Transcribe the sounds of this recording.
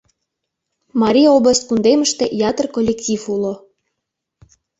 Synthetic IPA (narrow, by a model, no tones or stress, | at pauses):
mɑɾʲijobləst̪̚kund̪eməʃt̪ejɑt̪ərkolʲːektʲifulo